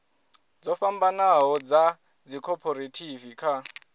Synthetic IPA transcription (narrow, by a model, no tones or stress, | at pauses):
d͡zɔfambanaɦɔd͡za | d͡zikʰɔpʰɔɾetʰivikʰa